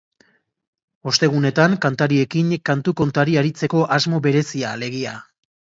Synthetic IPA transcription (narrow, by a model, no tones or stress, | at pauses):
o̞st̪e̞ɣ̞une̞t̪aŋkant̪aɾie̞kinkant̪uko̞nt̪aɾiaɾit͡se̞ko̞ʔazmo̞βe̞ɾe̞siale̞ɣ̞ia